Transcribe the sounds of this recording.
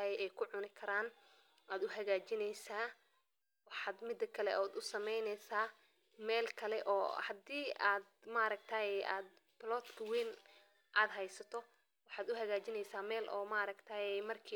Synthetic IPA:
ɐɛʔɛjkʰʊʕʊnɪkʰɐɾaːn | aːd̪ʊɦɐɣaːt͡ʃɪnɛjsaː | wɑħɑːd̪mɪd̪ːɐkʰɐlɛ̰ʔɔːd̪ʊsɐmɛjnɛjsaː | mɛːlkʰɐlɛʔɔ̰ːhɐd̪iːaːd̪maɾɐk̚t̪ʰɐjɛʔaːd̪ | pɪlɔːt̪kʰɐwiːn | ʔaːd̪ɦɛjsɐt̪ʰɔ | wɑħɑːd̪ʊɦɐɣaːt͡ʃɪnɛjsaːmɛːlʔɔ̰ːmaɾɐkt̪ʰaːjɛjmɐrkʰiː

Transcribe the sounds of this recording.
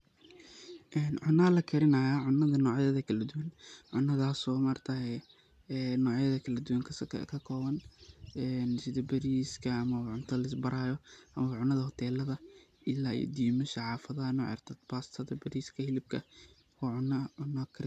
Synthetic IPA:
ʔɛːnʕʊnɐlɐkʰɐɾɪnɐːjaːʕʊnːɐðɐnɔːʕjɐðɐkʰɐlɐd̪ʊwɐnʕʊnːɐðaːsɔːmɐrt̪ʰɐɦɛː | nɔːʕjɐðɐkʰɐlɐd̪ʊwɐŋkʰkʰɐkʰɔːβɐnɛnsɪðɐbɐɾiːskʰɐːmɐʕʊnt̪ʰɐlɐɪsbɐɾʔaːjɔʔɐmɐβɐʕʊnɐðɐhɔt̪ʰɛːlɐðɐ | ɪlːaːj̰d̪iːmʊʃɐʕɑːfɐðɐɐnɔ̰ʕɛ̰rt̪ʰɐd̪baːst̪ʰɐðɐbɐɾiːskʰɐhɪlɪb̚kʰɐ | wɑːʕʊnːɐʕʊnɐkʰɐɾ

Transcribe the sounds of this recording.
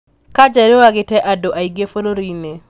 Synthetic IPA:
kad͡ʒaɾowaɡɪtɛʔadoʔaiɡefoloɾine

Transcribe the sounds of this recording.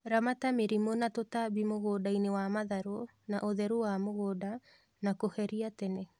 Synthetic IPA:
ɾamatameɾimonatotaβimoɣoːdainewamaðaɾo | naʔoðɛɾuwamoɣoːda | nakohɛɾiatɛnɛ

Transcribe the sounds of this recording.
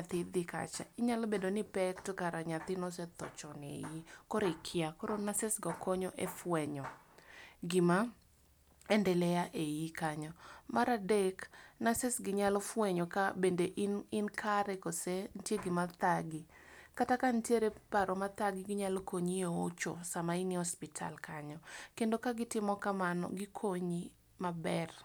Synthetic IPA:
ɲat̪ɪd̪ɪka̰t͡ʃa̰ɪɲalɔbedonɪpɛktkaɾaɲat̪ɪnɔsɛt̪ɔt͡ʃɔnḛjikɔɾɪkʰɪakɔɾonasɪsɡɔkɔɲɔʔefwɛɲɔ | ɡɪma | ɛndɛlɛjaʔejikaɲɔmaɾadeknasɪsɡɪɲalɔfwɛɲɔkabendeʔnɪnkʰaɾɛkosen̩tjeɡɪmat̪aɡɪkatakantjeɾepaɾɔmat̪aɡɪɡɪɲalɔkoɲioot͡ʃo̰samainihɔspɪtʰa̰lkʰaɲɔkendokaɡɪtɪmɔkamanɔ̰ɡɪkʰoɲi | mabɛr

